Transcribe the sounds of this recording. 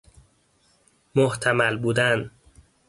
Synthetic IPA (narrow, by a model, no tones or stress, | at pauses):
moht̪ʰæmælbuːd̪æn